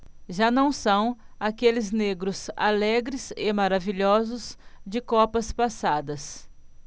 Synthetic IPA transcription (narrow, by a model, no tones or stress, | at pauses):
ʒanɐ̃w̃sɐ̃w̃akelɪzneɡɾʊza̰lɛɡɾɪzɪmaɾaviʎɔzʊzd͡ʒɪkɔpɐspasad̪ɐs